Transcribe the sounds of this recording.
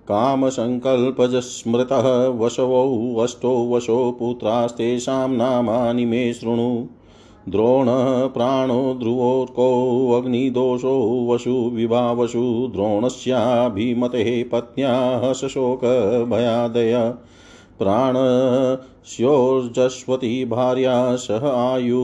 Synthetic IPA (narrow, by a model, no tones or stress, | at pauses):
kaːmɐsɐŋkɐlpɐd͡ʒɐsmɾɪt̪ɐɦɐ̆ʋɐʃɐʋɐwɐsʈowʋɐʃoːput̪ɾaːst̪eːʃaːmnaːmaːnimeːʃɾuɳu | d̪ɾoːɳ̤ɐɦɐpɾaːɳoːd̪ɾuʋoːɾkoːɐɡɳid̪oːʃoːʋɐʃuʋibʱaːʋɐʃud̪ɾoːɳɐsjabʱimɐt̪eɦepɐt̪̚njaːɦɐʃɐʃoːkɐbʱɐjaːd̪ɐjɐ | pɾaːɳɐ | sjoːd͡ʒɐʃʋɐt̪ibʱaːɾjaːsɐɦɐaːju